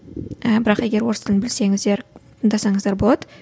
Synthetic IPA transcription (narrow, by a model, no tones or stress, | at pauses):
abɪɾɑqe̞ɡʲe̞ɾwo̞ɾst̪ʰɪlbɪlse̞ŋɪzd̪eɾt̪ʰəɴd̪ɑsɑɴəzd̪ɑɾbo̞lˠɑd̪ə